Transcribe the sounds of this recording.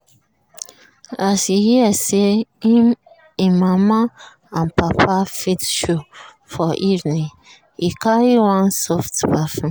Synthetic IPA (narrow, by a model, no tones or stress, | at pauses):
asihiaseĩm | ĩmama | ãnpapʰafitʃo | fɔʔivnĩ | ikaɹiwãnsɔftbafĩ